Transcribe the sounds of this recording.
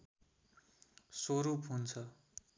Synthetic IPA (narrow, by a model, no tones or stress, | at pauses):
soɾupɦunt͡sʰʌ